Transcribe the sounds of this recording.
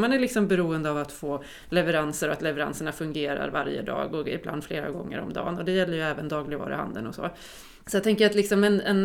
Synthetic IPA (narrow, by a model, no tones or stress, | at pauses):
manæɾɭɪksɔmbɛɾuːənd̪əavat̪foː | lɛvəɾansəɾɔat̪lɛvɛɾa̰nsəɳafɵŋɡeːɾa̰ɾvaɾjə̰d̪ɑ̰ːɡɔɪ̰bla̰nd̪fleːɾa̰ɡɔŋːə̰ɾɔ̰md̪ɑ̰ːnɔd̪ɛjɛlːəɾjɵɛːvənd̪ɑːɡlɪɡvɑ̰ːɾɪha̰nd̪ənɔsɔ̰ː | sɔjat̪ʰɛŋkəjat̪lɪksɔmɛnɛn